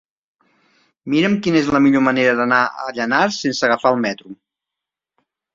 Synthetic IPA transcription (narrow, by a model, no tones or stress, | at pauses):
miɾəmkinəezləmiʎoməneɾəðənaə̰ʎənaɾsensəɣəfaəlˠmɛt̪ɾu